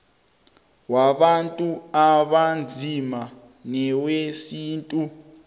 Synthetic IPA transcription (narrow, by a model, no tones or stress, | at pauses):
waɓantʼuaɓand͡zʱima | nɛwesiːntʼu